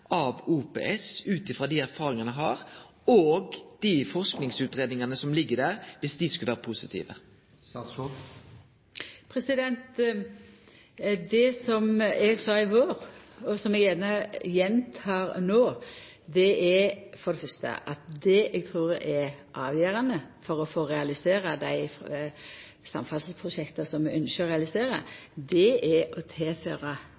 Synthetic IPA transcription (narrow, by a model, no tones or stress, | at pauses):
ʔɑʋuːpḛːɛsʉːt̪ɪfɾɑd̪iæɾfɑːɾɪŋɑnəɦɑːɾ | oːɡd̪̥ifɔʁsknɪŋsʉːt̪ɾeːd̪nɪŋɑnəsɔmlɪɡːəd̪æːʁʋɪsd̪iskʉləʋæːɾəpʰusɪt̪ʰḭːʋə | pʰɾɛsɪd̪ɛnt̪ | d̪ɛsɔmɛɡsɑːɪʋoːɾɔsɔmɛɡeːnɑjɛnt̪ʰɑːɾnoː | d̪ɛʔɛfɔɾd̪ɛfœɾst̪ə̰ʔɑt̪̚d̪ɛɛɡ̚t̪ʰɾuːɾɛɾʔɑːʋjøːɾɑnəfɔɾɔfoːɾɛɑlɪseːɾəd̪æɪ | sɑ̰mfɑlsəspʰɾʊʃɛkt̪əsɔmmɛʔœnʃəʁɛɑlɪseːɾə̰d̪ɛɛɔt̪ʰɛːføːɾɑ